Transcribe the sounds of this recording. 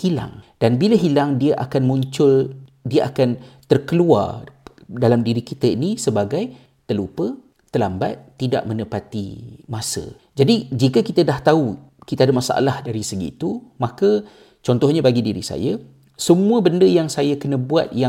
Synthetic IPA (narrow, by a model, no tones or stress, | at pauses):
hila̰ŋd̥anbiləɦilaŋdiaʔakanmuɲt͡ʃʊl | diəʔakant̪ərkəlua̰rdalamdiɾikit̪əinisəbaɡaj | t̪əlupə | t̪əlamba̰t̪ːida̰ʔmənəpat̪ḭmasə̰ | d͡ʒadid͡ʒikəkit̪ədaht̪aukit̪aadəmasa̰ʔa̰lahdaɾisəɡḭːt̪umãkə | t͡ʃɔnt̪ɔhɲabaɡidiɾḭsa̰jə | səmuəbəndəjaŋsajakənə̃bua̰t̪̚ja